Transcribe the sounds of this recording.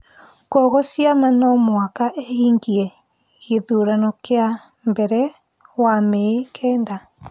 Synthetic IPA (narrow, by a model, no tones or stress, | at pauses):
kɔɣɔsiamanɔmoakaʔehiŋɡiɛ | ɣeðuɾanɔkea | mbɛɾɛ | wamɛekʰɛːnda